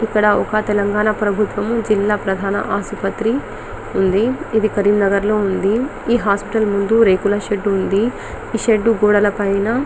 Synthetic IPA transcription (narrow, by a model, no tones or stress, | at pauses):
ikːɐɽɐɔkɐt̪ɛlɐŋɡaːnapɾɐbʱut̪ʋɐmud͡ʒilːaːpɾɐd̪ʱaːnɐ̰ʔaːsupɐt̪ɾi | und̪iid̪ikɐɾiːmnɐɡɐɾlo̞ːund̪i | iːɦaːspiʈɐlmund̪uɾeːkulaʃeɖund̪i | iʃeɖːuɡoːɽɐlɐpɐjnɐ